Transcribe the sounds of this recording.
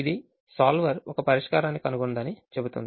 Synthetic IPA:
id̪i | saːlʋɐɾɔkɐpɐɾiʂkaːɾaːnːikɐnuɡond̪ɐnit͡ʃe̞but̪ṵnd̪i

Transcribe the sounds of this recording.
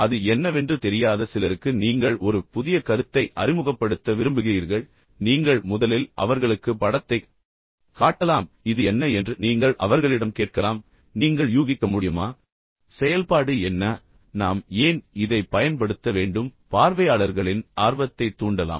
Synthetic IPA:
ɐðɯɛnːɐʋɛndrɯt̪ɛɾɪjaːðɐsɪlɐɾɯkːɯniːŋɡɐɭɔɾɯpʊðɪjɐkɐɾɯt̪ːɐɪʔɐ̰rɪmɯɣɐpːɐɽɯt̪ːɐʋɪɾɯmbɯɣɪriːɾɣɐɭ | niːŋɡɐɭmʊðɐlɪlʔɐ̰ʋɐɾɣɐɭɯkːɯpɐɽɐt̪ːɐɪ | kaːʈːɐlaːm | ɪðɯɛnːɐɛndrɯniːŋɡɐɭʔɐ̰ʋɐɾɣɐɭɪɽɐmkeːʈ̚kɐlaːm | niːŋɡɐɭjuːɣɪkːɐmʊɽɪjɯmaː | sɛjɐlpaːɽɯɛnːɐ | naːmeːnɪðɐɪpːɐjɐnpɐɽɯt̪ːɐʋeːɳɖɯmpaːɾʋɐjaːɭɐɾɣɐɭɪnaːɾʋɐt̪ːɐɪt̪ːuːɳɖɐla̰ːm

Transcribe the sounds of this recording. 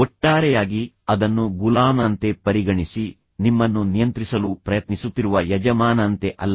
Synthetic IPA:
ɔʈːaːɾɛjaːɡi | ɐd̪ɐnːuɡulaːmɐnt̪e̞pɐɾiɡɐɳisi | nimːɐnːunijɐnt̪ɾisɐlupɾɐjɐt̪nisut̪ːiɾuʋɐjɐd͡ʒɐmaːnɐnt̪e̞ʔɐlːɐ

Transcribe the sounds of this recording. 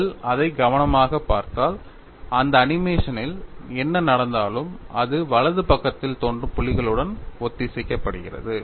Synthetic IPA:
lɐðɐɪɡɐʋɐnɐmaːɣɐpːaːɾt̪aːl | ɐnd̪ɐːnɪmeːʂɐnɪlɛnːɐnɐɽɐnd̪aːlɯmɐðɯʋɐɭɐðɯpɐkːɐt̪ːɪlt̪oːndrɯpʊɭɪɣɐɭɯɽɐnɔt̪ːɪsɪkːɐpːɐɽɯɣɪrɐ̰ðɯ

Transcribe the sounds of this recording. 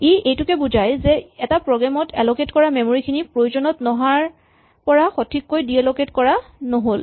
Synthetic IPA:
iejtʊkɛbuzajzɛɛtapɹɔɡɹamɔtʰɛloketkɔɹamɛmoɹikʰinipɹojuzɔnɔtnɔɦaɹ | pɔɹaxotʰikːojdiɛloketkɔɹanoɦol

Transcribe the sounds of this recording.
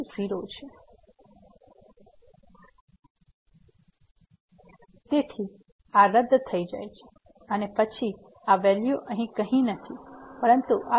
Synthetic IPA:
siɾot͡ʃʰe | t̪et̪ʰi | aɾəd̪ʱːt̪ʰəid͡ʒa̰jt͡ʃʰe̥ | ənepət͡ʃʰi | aʋɛljoʔəɦĩkəɦĩnət̪ʰipəɾənt̪uʔa

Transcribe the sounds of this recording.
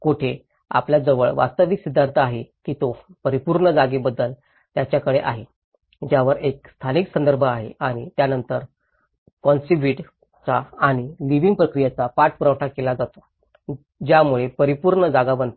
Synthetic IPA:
kuʈʰe | a̰pljad͡zəʋəɭʋa̰st̪əʋiksid̪ʱːaɾt̪ʰəaɦekiːt̪opəɾipuɾɳəd͡zaɡebəd̪ːəl | t̪jat͡ɕjakəɽeʔa̰ɦe | d͡ʑjaʋəɾek̚st̪ʰaniksənd̪əɾbʱəaɦḛaɽ̃it̪janənt̪əɾ | kɔnsibiʈ | t͡saːɽ̃iliʋiŋɡ̚pɾəkɾijat͡sapaʈ̚ʰpuɾəʋʈʰakelad͡zat̪o | d͡ʑjamuɭepəɾipuɾɳəd͡zaɡabənt̪

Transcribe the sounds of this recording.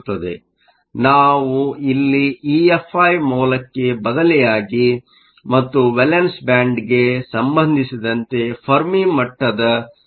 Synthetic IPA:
t̪ːɐd̪e̞̰ | naːʋuilːiiːefʰːɐːjmɔːlɐkːe̞bɐd̪ɐlɛjaːɡi | mɐt̪ːuʋelensbaːɳɖɡesɐmbɐnd̪ʱisid̪ɐnt̪e̞pʰɐɾmimɐʈːɐd̪ɐ

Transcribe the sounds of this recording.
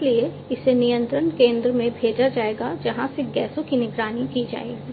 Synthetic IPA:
lie | ɪsenijə̃nt̪ɾənkẽːnd̪ɾəmẽbʱeːd͡ʒad͡ʒaːeːɡad͡ʒɐɦãseɡɛːsõkinɪɡɾaːnikid͡ʒa̰ːḛːɡiː

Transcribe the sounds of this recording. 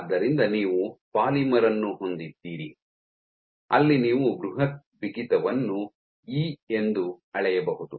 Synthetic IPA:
d̪ːɐɾind̪ɐniːʋupaːlimɐɾɐnːuɦo̞nd̪id̪ːiːɾḭ | ɐlːiniːʋuɡɾuɦɐt̪̚ʋikit̪ɐʋɐnːu | iːe̞nd̪uɐɭɛjɐbɐɦud̪u

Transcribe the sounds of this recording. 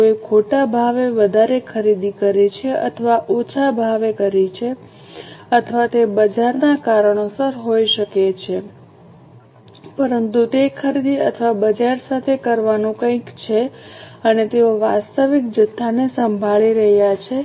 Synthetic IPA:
oikʰoʈabʱaʋeʋəd̪ʱaɾekʰəɾid̪ikəɾit͡ʃʰeʔə̰t̪ʰəʋaʔot͡ʃʰabʱaʋekəɾit͡ʃʰe | ət̪ʰəʋat̪ebəd͡ʒaɾnakaɾəɳ̃osəɾɦoiʃəket͡ʃʰe | pəɾənt̪ut̪ekʰəɾid̪iə̰t̪ʰəʋabəd͡ʒaɾsat̪ʰekəɾʋanũkə̃ikt͡ʃʰeənet̪eoʋast̪əʋik̚d͡ʒət̪ʰːanesəmbʱaɭiɾəɦjat͡ʃʰe

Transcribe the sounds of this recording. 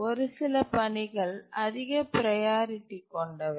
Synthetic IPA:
ɔɾɯsɪlɐpɐɳɪɣɐɭɐðɪɣɐpɪɾɐjaːɾɪʈːikɔɳɖɐʋɐ

